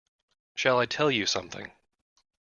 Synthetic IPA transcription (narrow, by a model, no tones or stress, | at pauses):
ʃəlˠaɪtʰɛlˠjɨsʌ̃mθɪ̰̃ŋ